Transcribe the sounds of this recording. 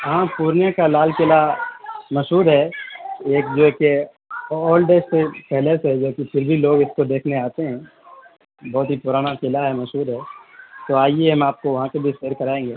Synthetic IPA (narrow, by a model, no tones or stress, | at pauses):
ɦãːpuːɾnjãkalaːlkɪlamɐʃɦuːd̪ɦɛeːk̚d͡ʒoːke | ɔːlɖeːssepɛɦlesed͡ʒoːkipʰɪɾbʱiloːɡɪskod̪eːkʰneaːt̪eɦɛ̃ː | bɔːt̪ɦipʊɾaːnakɪlaɦɛmɐʃɦuːd̪ɦɛːt̪oaːieɦɐmaːp̚koʋɐɦãkebʱiʃeːɾkɐɾaːẽːŋɡeː